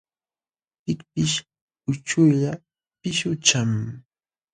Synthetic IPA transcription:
pɪkpɪʃ | ʊt͡ʃʊjʎa | pɪʃʊt͡ʃam

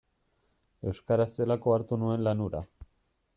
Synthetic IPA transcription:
e̞wskaɾase̞lako̞aɾt̪unue̞nlanuɾa̰

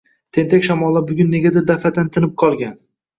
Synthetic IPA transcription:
t̪ʰe̞nt̪ʰakʲʃamɒlˠːabʊɡʲʊnːe̞ɡʲad̪ɪɾd̪afat̪ʰant̪ʰɪnɪp̚qʰɒlˠɡʲan

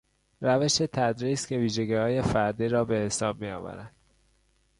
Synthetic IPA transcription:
ræve̞ʃe̞t̪ʰæd̪ɾiːscʰe̞viːʒeɟihɒːje̞fæɾd̪iːɾɒːbe̞esɒːb̚mijɒ̰ːvæ̰ɾænd̪̥

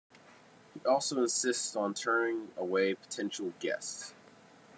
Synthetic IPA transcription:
hiʔɔlˠsoʊə̃nsɪstsn̩tʰɜ̃˞nɪ̃ŋəweɪpʰə̥tʰɛ̃nʃl̩ˠɡɛ̰ss

